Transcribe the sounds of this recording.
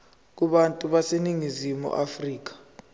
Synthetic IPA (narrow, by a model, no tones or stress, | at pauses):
k̬uɓantʼuɓaseniŋizimṵʔafriːk̬ḁ